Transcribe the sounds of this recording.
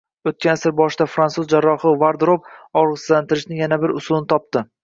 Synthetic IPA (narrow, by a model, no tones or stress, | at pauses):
ot̪̚kʲansɪɾbɒʃɪd̪afɾansuzd͡ʒaɾːɒχɨvaɾd̪ɾob̚ɒɾʁɨslant̪ʰɪɾɪʃnɪŋjanabɪɾʊsʊlˠnɪt̪ʰɒp̚t̪ɪ